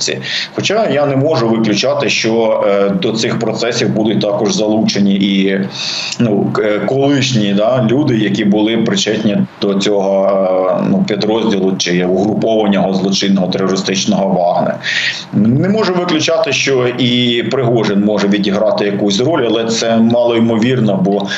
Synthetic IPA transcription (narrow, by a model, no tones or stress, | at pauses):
t͡sʲḭ | xɔt͡ʃɑjanɛmɔʒʊʋɪklʲʊt͡ʃɑt̪ɪʃt͡ʃɔd̪ɔt̪sɪxpɾɔt̪sɛsʲiwbud̪ʊt̚ʲt̪ɑkɔʒzɐlˠut͡ʃenʲiʔi | nukɔlˠɪʃnʲid̪ɑlʲud̪ɪjɐkʲibʊlˠɪpɾɪt͡ʃɛt̪ʲnʲid̪̥ɔt͡sʲɔɦɔ | nupʲid̪ɾɔzʲdʲilˠʊt͡ʃɪuɦɾʊpɔʋɐnʲːɐɦɔzlˠɔt͡ʃɪnːɔɦɔt̪ɛrɔɾɪst̪ɪt͡ʃnɔɦɔʋɑɦnɐ̰ | nɛmɔʒɛʋɪklʲʊt͡ʃɑt̪ɪʃt͡ʃɔʔipɾɪɦɔʒɪnmɔʒɛʋʲidʲiɦɾɑt̪ɪjɐkusʲrɔlʲɐlˠɛt̪sɛmɑlˠɔimɔʋʲirnɔbɔ